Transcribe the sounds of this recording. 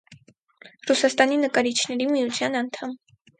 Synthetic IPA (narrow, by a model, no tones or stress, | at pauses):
rusɑst̪ɑninəkɑɾit͡ʃʰnɛɾimijut͡sʰjɑnɑnt̪ʰɑm